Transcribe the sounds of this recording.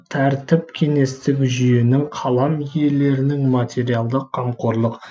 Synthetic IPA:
t̪ʰæɾt̪ɪp̚kʲʰe̞ŋe̞st̪ɪkʲʒʏje̞nɪŋqʰɑlˠɑmje̞le̞ɾɪnɪŋmat̪ʲe̞ɾijalˠd̪əqqʰːɑmqo̞ɾlˠəq

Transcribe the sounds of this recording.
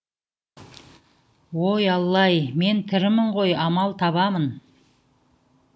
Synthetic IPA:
wojɑlˠːɑjme̞nt̪ʰɪɾɪmɪɴʁo̞jɑmɑlˠt̪ʰɑβɑmən

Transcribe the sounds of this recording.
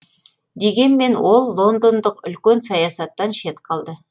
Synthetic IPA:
d̪e̞ɡʲe̞nme̞nwo̞lˠːo̞nd̪ond̪əqʏlkʲe̞nsɑjɑsɑt̪ːɑnʃe̞t̪qʰɑlˠd̪ə

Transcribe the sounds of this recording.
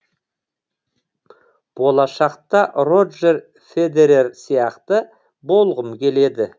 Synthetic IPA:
b̥o̞lˠɑʃɑqt̪ɑro̞d̪ʒe̞ɾ | fe̞d̪e̞ɾe̞rsijɑqt̪ə | bo̞lˠʁəmkʲʰe̞le̞d̪ɪ

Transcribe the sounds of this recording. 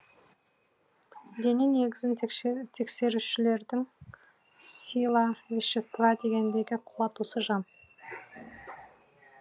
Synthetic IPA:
d̪e̞nene̞ɡʲɪzɪnt̪ʰe̞kse̞ɾuʃɪle̞ɾd̪ɪŋ | sʲilˠɑvʲeʃːest̪vɑd̪e̞ɡʲe̞nd̪e̞ɡʲɪqʰuwɑt̪usəʒɑm

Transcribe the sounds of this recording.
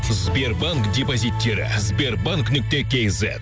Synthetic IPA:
zbe̞rbaŋkd̪ʲepozʲit̪ʲːe̞ɾɪ̰zbʲe̞rbaŋknʏk̚t̪ekʲejzḛt̪

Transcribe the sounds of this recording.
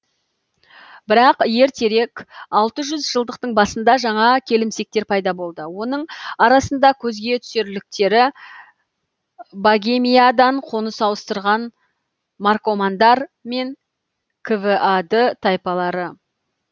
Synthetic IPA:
bɪɾɑqje̞ɾt̪ʰe̞ɾe̞kɑlˠt̪əʒʏzʒəlˠd̪əq̚t̪əɴbɑsənd̪ɑʒɑɴɑkʲʰe̞lɪmse̞k̚t̪e̞ɾpʰɑjd̪ɑbo̞lˠd̪əwo̞nəɴɑɾɑsənd̪ɑkʲʰɵzɡʲe̞t̪ʰʏ̥seɾlɪk̚t̪e̞ɾɪ | baɡʲemʲijad̪ɑɴqʰo̞nəsɑwəst̪əɾʁɑn | marko̞mand̪ɑɾme̞ŋ | kʰəvəʔad̪ət̪ʰɑjpɑlˠɑɾə

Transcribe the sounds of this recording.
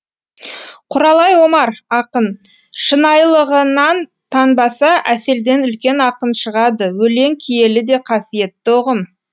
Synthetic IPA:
qʰʊɾɑlˠɑjwo̞mɑɾɑqən | ʃənɑjlˠəʁənɑn | t̪ʰɑnbɑsɑʔæse̞ld̪e̞nʏlkʲe̞nɑqənʃəʁɑd̪əwɵle̞ŋkʲʰije̞lɪd̪e̞qʰɑsije̞t̪ːoʁəm

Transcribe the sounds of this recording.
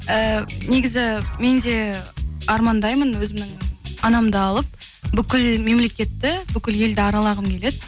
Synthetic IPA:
əneɡʲɪzɪme̞nd̪e̞ | ɑɾmɑnd̪ɑjmənwɵzɪmnɪŋɑnɑmd̪əɑlˠəp̚ | bʏkʲɪlme̞mle̞kʲe̞t̪ːɪbʏkʲɪlje̞ld̪ɪɑɾɑlˠɑʁəmkʲʰe̞le̞d̪ɪ

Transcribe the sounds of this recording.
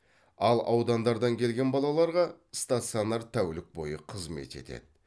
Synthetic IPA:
ɑlˠɑwd̪ɑnd̪ɑɾd̪ɑŋkʲʰe̞lɡʲe̞nbɑlˠɑlˠɑɾʁɑ | st̪at̪sionɑɾt̪ʰæwlɪk̚bo̞̰jəqʰəzme̞̰t̪e̞̰t̪ḛd̪ɪ

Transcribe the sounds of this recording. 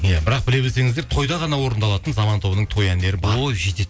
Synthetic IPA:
jabɪɾɑq̚bɪle̞belse̞ŋɪzd̪eɾt̪ʰo̞jd̪ɑʁɑnɑwo̞ɾənd̪ɑlˠɑt̪ənzɑmɑnt̪ʰo̞bənəɴt̪ʰo̞jænd̪e̞ɾɪbɑɾoʒed̪e

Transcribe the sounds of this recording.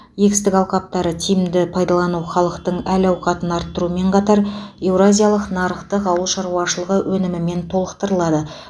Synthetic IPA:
je̞ɡʲɪst̪ɪkɑwqɑp̚t̪ɑɾət̪ʰijmd̪ɪpʰɑjd̪ɑlˠɑnuχɑlˠəqt̪əɴælɑwqɑt̪ənɑɾt̪ːəɾume̞ɴqʰɑt̪ɑɾe̞wɾazʲijalˠəqnɑɾəqt̪əqɑwəlˠʃɑɾuwɑʃəlˠəʁəwʔɵnɪmɪme̞nt̪ʰo̞lˠəqt̪əɾəlˠɑd̪ə

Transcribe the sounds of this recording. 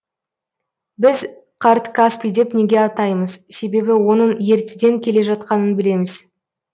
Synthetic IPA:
bɪz | qʰɑɾt̪kaspijd̪e̞pne̞ɡʲeɑt̪ɑjməzse̞be̞bɪwo̞nəɴje̞ɾt̪ɪd̪e̞ŋkʲʰe̞le̞ʒɑt̪qɑnənbɪle̞mɪz̥

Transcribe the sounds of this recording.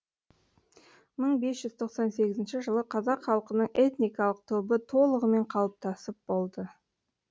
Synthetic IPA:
məɴbe̞sʒ̥ʏzt̪ʰo̞qsɑnse̞ɡʲɪzɪnʃɪʒəlˠəqʰɑzɑqχɑlˠqənəɴʔe̞t̪nijkɑlˠəq̚t̪ʰɵbət̪ʰo̞lˠəʁəme̞ɴqʰɑlˠəp̚t̪ɑsəp̚bo̞lˠd̪ə

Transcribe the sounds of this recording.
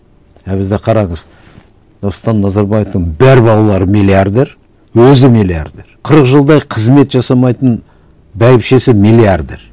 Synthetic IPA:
æbɪzd̪eqʰɑɾɑɴəz | ost̪ɑnːɑzɑɾbɑjeft̪əɴbæɾbɑw̪ˠlˠɑɾəmilʲˠiard̪e̞ɾ | wɵzɪmilʲia̰ɾd̪e̞ɾqʰəɾəqʒəlˠd̪ɑjqʰəzme̞t̪ʒɑsɑmɑjt̪ən | bæjɪpʃe̞sɪmilʲˠiard̪e̞̰ɾ

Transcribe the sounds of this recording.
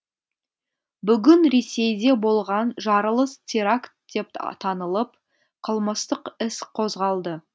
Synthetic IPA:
bʏɡʲɪnɾe̞se̞jd̪e̞bo̞lˠʁɑnʒɑɾəlˠəst̪ʲʰiɾakt̪̚d̪̥e̞p̚t̪ʰɑnəlˠəp̚ | qʰəlˠməst̪əqɪsqʰo̞zʁɑlˠd̪ə

